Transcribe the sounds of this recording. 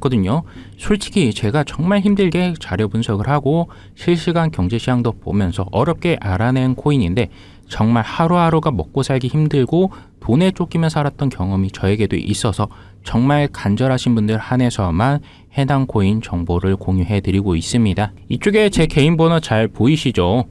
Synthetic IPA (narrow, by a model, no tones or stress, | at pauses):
kʌdɯɲo | sʰuɭt͡ɕʰi̥ɡʰit͡ɕe̞ɡat͡ɕʌŋmaɭçimdɯɭɡe̞t͡ɕaɾjʌbunsʰʌɡɯɭhaɡo | ɕʰiɭɕ͈iɡankjʌŋd͡ʑe̞ɕʰiaŋdopo̰mjʌnsʰʌʔʌɾjʌp̚k͈e̞ʔaɾanenkʰoiɲinde̞ | t͡ɕʌŋmaɭhaɾuɦaɾoɡamʌk͈̚osʰaɭɡiçimdɯɭɡo | tone̞t͡ɕ͈ok͈ʰimjʌnsʰaɾat̚t͈ʌnkjʌŋʌmit͡ɕʌe̞ɡe̞do̰ʔis͈ʌsʰʌ | t͡ɕʌŋmaɭkand͡ʑʌɾɦaɕʰinbundɯɭhane̞sʰʌman | he̞daŋkʰoint͡ɕʌŋboɾɯɭkoŋjuɦe̞tɯɾiɡois͈ɯmɲida | it͡ɕ͈oɡe̞t͡ɕe̞ke̞inbonat͡ɕaɭpoiɕʰid͡ʑo